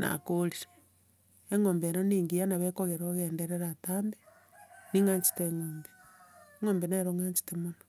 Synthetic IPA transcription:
na̰koɾiɾ | eŋoːmbeɾoniːŋɡijanaβekoɣeɾoɣeːndeɾeɾataːmbe | niŋaːɲt͡ʃi̥teŋoːmbe | eŋoːmbenaɾoŋaːɲt͡ʃi̥temono

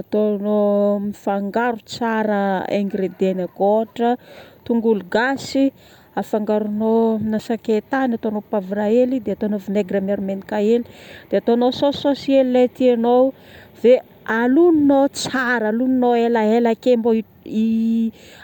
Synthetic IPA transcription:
at̪onomifaŋɡaɾut͡saɾəeŋɡɾed̪enakoʈ͡ʂət̪uŋɡuluɡasi | afaŋɡaɾunonasaket̪anat̪onopavɾaelid̪eat̪onovineɡrameɾmenikaelid̪̥eat̪onosososelilet̪ianow | ve | aluninot͡saɾaluninoelaelakemboi | i

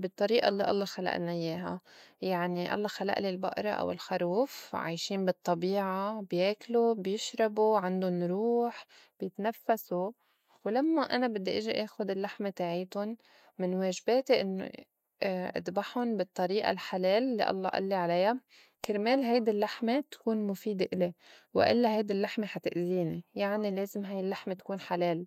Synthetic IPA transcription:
bɨt̪ˤːɑɾiːʔa̰lːiʔɑ̰lˤːɑxala̰ʔnajeːɦa̰jaʕniʔɑ̰lˤːɑxala̰ʔlilbʊ̰ʔɾˤɑ̰ʔa̰wɪ̰lxaɾˤuːfʕa̰ːjʃiːnbɨt̪ˤːɑbiːʕabjeːklubjɪʃɾˤɑbuʕand̪ʊnɾuːħ | b̥jɪt̪nafːasu | wlamːaʔanabɪd̪ːiʔɪʒiʔeːxʊd̪ɪlːaħmet̪aːʕiːt̪ʊn | mɪnweːʒbeːt̪eʔɪnːo̰ | ʔa̰d̪baħʊnbɨt̪ˤːɑɾiːʔa̰lħaleːlːḭʔɑ̰lˤːɑ̰ʔa̰lːiʕalaja | kɪɾmeːlɦajd̪ilːaħmet̪ḁkuːnmʊfiːd̪eʔɪlewɪ̰ʔɪ̰lːaɦajd̪ilːaħmeħat̪ɪʔziːnijaʕnileːzɪmɦajɪlːaħmet̪ḁkuːnħaleːl

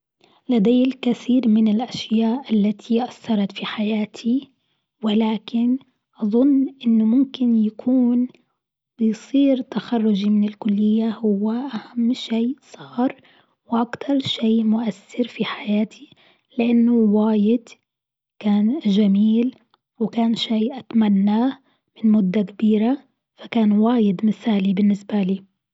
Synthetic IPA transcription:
lad̪ajɪlkaθiːɾmɪnɪlʔaʃjaːʔʔalːat̪ʰiʔasːɑɾˤɑt̪fiħajaːt̪ʰi | wɪlaːkɪn | ʔɑðˤʊnːʔɪnːʊmʊmkɪnjakʰuːn | bɪjsˤiːɾt̪axɑrˤːʊd͡ʒimɪnɪlkʊlːɪjːahʊwːaʔahamːʃeːʔsˤɑːɾˤ | wʔakt̪ʰɑɾˤʃeːmʊʔasːɪɾfiħajaːt̪ʰi | lɪʔanːʊwaːjɪd̪̥ | kaːnʒamiːl | wɪkaːnʃiːʔat̪manːaː | mɪnmʊd̪ːakabiːɾa | fakaːnwaːjɪd̪mɪθaːlibɪnːɪsbaliː

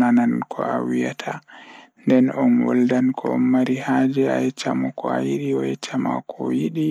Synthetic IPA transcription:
anankʰɔ̰a̰wijatʰandɛnɔnwɔ̰ldankʰɔɔmmaɾihad͡ʒɛa̰ɛt͡ʃamɔkɔa̰jiɾiɔɛt͡ʃama̰kʰɔjiɗi

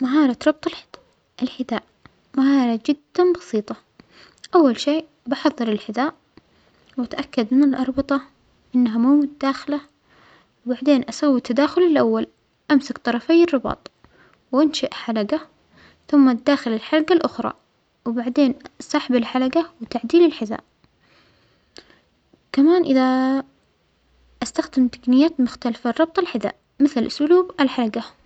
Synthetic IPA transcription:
maɦɑːɾˤɑt̪ɾˤɑb̚t̪ˤɑl | ʔɪlħɪd̪aːʔ | maɦɑːɾˤɑd͡ʒɪd̪ːanbɑsˤiːt̪ˤɑ | ʔawːalʃeː | bɑħɑðˤːɑɾˤɪlħɪd̪aːʔ | wat̪ʔakːad̪mɪnɪlʔɑɾˤbɨt̪ˤɑ | ʔɪnːaɦamuːmʊt̪ad̪aːxɪla | wbaʕd̪eːnʔasawːit̪ʰːad̪aːxʊlɪlʔawːal | ʔamsakt̪ˤɑɾˤɑfajːɪrˤːɨbɑ̰ːt̪ˤ | wʔanʃaʔħalaɡa | θʊmːad̪aːxɪlɪlħalaɡalʔʊxɾˤɑ̰ | wbaʕd̪eːnsˤɑːħɪbɪlħalaɡawɪt̪aʕd̪iːlɪlħɪða̰ːʔ | kamaːnʔɪða | ʔast̪axd̪ɪmt̪ḁɡnɪjːaːt̪mʊxt̪alfarˤːɑb̚t̪ˤɑlħɪða̰ːʔ | mɪθlʔʊsʊluːbalħalaɡa

